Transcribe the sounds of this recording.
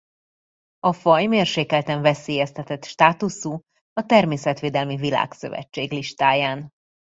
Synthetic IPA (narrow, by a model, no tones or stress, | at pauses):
ɒfɒjmeːrʃeːkɛlt̪ɛɱvɛseːjɛst̪ɛt̪ɛt̪ʃt̪aːt̪usuː | ɒt̪ɛrmeːsɛt̪ʋeːd̪ɛlmivila̰ːksø̰vɛ̰t͡ʃːeːɡliʃt̪aːjaːn